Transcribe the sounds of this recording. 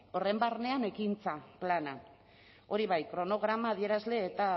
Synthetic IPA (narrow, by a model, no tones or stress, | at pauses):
o̞re̞mbarne̞ane̞kint͡saplana | o̞ɾiβ̞ajkɾo̞no̞ɣ̞ɾamaːðie̞ɾazle̞ːt̪a